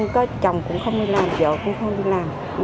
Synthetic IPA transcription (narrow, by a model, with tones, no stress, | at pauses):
ŋkɔ˨˦t͡ɕɔ˨˩wŋ͡mkʊ̰˧˥ŋ͡mxə˧wŋ͡mɗi˧laː˨˩mzɔ̰ː˧˨kʊ̰˧˥ŋ͡mxə˧wŋ͡mɗi˧˨laː˨˩m | n